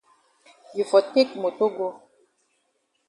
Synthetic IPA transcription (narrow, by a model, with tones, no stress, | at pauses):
ju˨fɔ˨te˦kmo˨to˦ɡo˦